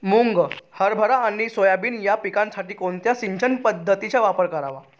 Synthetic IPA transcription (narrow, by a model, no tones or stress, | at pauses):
muŋɡhəɾbʱəɾaːɽ̃isojabiːnjapikãnsaʈiːkoɳt̪jasiɲt͡ɕənpəd̪ʱːət̪it͡ɕjaʋapəɾkəɾaʋa